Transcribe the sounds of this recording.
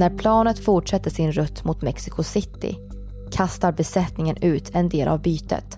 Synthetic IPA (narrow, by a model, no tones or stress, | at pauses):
næɾpʰlɑːnət̪fʊʈʂɛt̪ːəʂɪnɾɵt̪ːmʊt̪mɛksɪkʰʊsɪt̪ːɪ̰ | kʰast̪aɾbɛsɛt̪nɪŋənʉ̟ːt̪ʰɛnd̪eːlʔa̰vbyːt̪ə̰t̪